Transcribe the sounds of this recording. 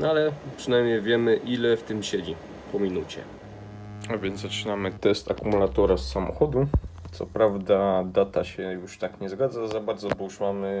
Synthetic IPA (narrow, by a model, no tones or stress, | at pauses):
nalɛpʂɘnajmɲejvʲjɛmɘʔilɛft̪ɘmɕed͡ʑi | pɔmʲinut͡ɕɛ̰ | avʲjɛnzat͡ʂɘnamɘt̪ɛst̪akumulat̪ɔɾasːamɔ̰xɔd̪ut̪sɔ̰pɾavd̪ad̪at̪aɕɛjuʂt̪akɲɛzɡad̪zazabaɾd̪zɔbɔuʂmamɘ